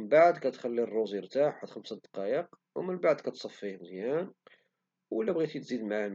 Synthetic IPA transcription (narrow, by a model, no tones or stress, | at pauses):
nbaʕd̪kæt̪xælːirˤːozəɾt̪aħħad̪xamsæd̪qɑjəq | wmənbaʕd̪kæt̪sˤɑfːihmzjæn | wəlːæbɣit̪it̪zid̪maʕ